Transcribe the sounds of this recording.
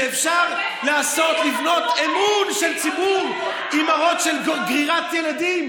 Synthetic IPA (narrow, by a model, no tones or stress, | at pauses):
fʃaʁ | laːso̞t̪livno̞temunʃe̞lt͡sibuʁ | imaʁo̞tʃe̞lɡʁiʁat̪jeladim